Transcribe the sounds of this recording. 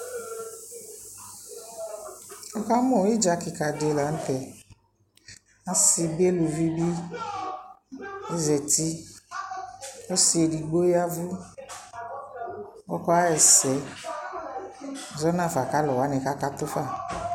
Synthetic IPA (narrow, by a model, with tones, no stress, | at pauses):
ɔ˦ka˦mɔ̃˨˦i˦d͡ʒa˨kɪ˨ka˨de˨la˨n̩˦t̪ɛ˨ | a˦si˨bi˦e˦lu˨vi˦bi˦ | e˦zɛ˨ti˦ | ɔ˦si˦e˨di˨ɡ͡bo˦ja˦vʊ˦ | ɔ˦kɔ˦a˦ɛ˨sɛ˨ | zɔ˦nã˨fa˨ka˦lɔ˨wa˨˦nɛ̃˨ka˦ka˦t̪ʊ˦fa˦˨